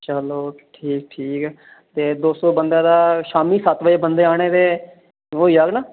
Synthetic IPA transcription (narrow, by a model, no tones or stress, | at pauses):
t͡ʃəloːʈʰiːk̚ʈʰiːkː | t̪eːd̪oːsõːbənd̪ãːd̪aːʃaːmiːsət̪ʋəeːbənd̪eːaːɽ̃eːd̪eː | oːiːaɡnaː